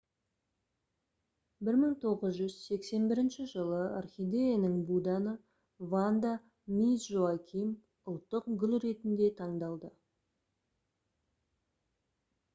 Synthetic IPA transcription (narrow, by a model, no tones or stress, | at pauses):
bɪɾməɴt̪ʰo̞ʁəzʒʏz̥se̞kse̞nbɪɾɪnʃɪʒəlˠəa̰rχʲijd̪ejanəŋbud̪ɑnə | vand̪a | misʒoakʲʰim | ʊlˠt̪ːəqɡʲʏlʲɾe̞t̪ɪnd̪e̞t̪ʰɑɴd̪ɑlˠd̪ə